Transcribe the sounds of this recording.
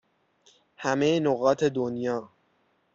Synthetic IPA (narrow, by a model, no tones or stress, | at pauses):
hæmejenoɣɒːt̪ʰe̞d̪onjɒː